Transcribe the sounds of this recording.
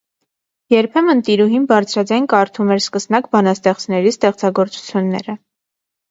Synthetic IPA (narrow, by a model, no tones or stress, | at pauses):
jɛɾpʰɛmənt̪iɾuɦinbɑɾt͡sʰɾɑd͡zɑjnkɑɾt̪ʰumɛɾskəsnɑkbɑnɑst̪ɛχt͡snɛɾist̪ɛχt͡sɑɡɔɾt͡su̥t͡sʰjunːɛ̰ɾə